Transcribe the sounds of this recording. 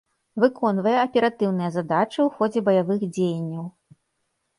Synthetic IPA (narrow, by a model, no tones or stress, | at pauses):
vɨkɔnvɐjɛɐpʲɛɾat̪ɨwnɨjɐzad̪at͡ʂɨwxɔd͡zʲɛbɐjavɨxd͡zʲejɐnʲːɐw